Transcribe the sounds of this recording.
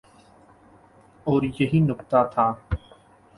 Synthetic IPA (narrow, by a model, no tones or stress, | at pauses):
oːɾjəɦiːnʊkt̪aːt̪ʰaː